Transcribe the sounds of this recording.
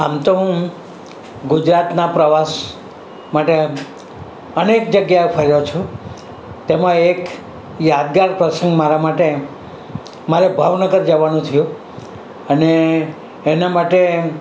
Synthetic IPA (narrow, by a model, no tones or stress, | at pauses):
amt̪oɦũ | ɡʊd͡ʒɾat̪napɾəʋas | maʈe | ənek̚d͡ʒəɡjaepʰəɾjot͡ʃʰũ | t̪emãek | jad̪̚ɡaɾpɾəsə̃ŋɡmaɾamaʈe | maɾebʱaʋnəɡəɾd͡ʒəʋanũt̪ʰijũ | əneː | namaʈe